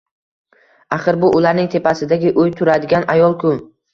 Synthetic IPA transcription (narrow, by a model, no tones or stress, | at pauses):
aχɨɾbʊʔʊlaɾnɪŋt̪ʰe̞pʰasɪd̪aɡʲɪʔʊjt̪ʰʊɾad̪ɪɡʲanajɒlˠkʰʊn